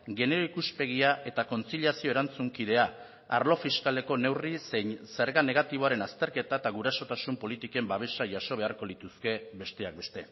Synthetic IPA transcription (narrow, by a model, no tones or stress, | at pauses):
ɡe̞ne̞ɾo̞ikuspe̞ɣ̞iaʔe̞t̪ako̞nt͡siʎasio̞e̞ɾant͡suŋkiðe̞a | a̰ɾlo̞fiskale̞ko̞ne̞wriseɲse̞ɾɣaneɣ̞at̪iβ̞o̞aɾe̞nast̪e̞ɾke̞t̪aet̪aɣ̞uɾaso̞t̪asumpo̞lit̪ike̞mbaβ̞e̞ʃaʝaso̞β̞e̞aɾko̞lit̪uske̞be̞st̪e̞ak̚be̞st̪e̞